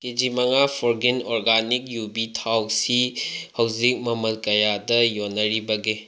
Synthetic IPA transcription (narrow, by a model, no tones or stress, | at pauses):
ked͡ʒimɐŋapʰoɾɡenɔɾɡanik̚jubitʰawsihɐwzik̚mɐmɐt̚kɐjadɐjonːɐɾibɐɡe